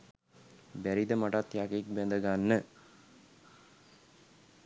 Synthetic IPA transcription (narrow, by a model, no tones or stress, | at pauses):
bæɾid̪əmaʈat̪jakek̚bɛnd̪əɡanːə